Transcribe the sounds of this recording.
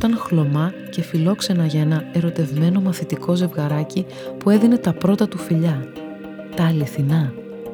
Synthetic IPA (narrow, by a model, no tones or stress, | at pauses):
ot̪ɐnxlo̞mɐ | ce̞filo̞kse̞nɐʝɐe̞nɐeɾo̞t̪e̞vme̞no̞mɐθit̪iko̞ze̞vɣɐɾɐci | pue̞ðine̞t̪ɐpɾo̞t̪ɐt̪ufiʎɐ | t̪ɐːliθinɐ